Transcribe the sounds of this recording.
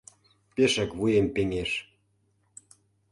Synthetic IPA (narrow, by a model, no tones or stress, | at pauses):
peʃə̆kβujempeŋeʃ